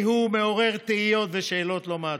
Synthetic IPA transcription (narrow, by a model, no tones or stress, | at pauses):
ɦumeo̞ʁe̞ʁt̪eijo̞t̪veʃeːlo̞t̪loma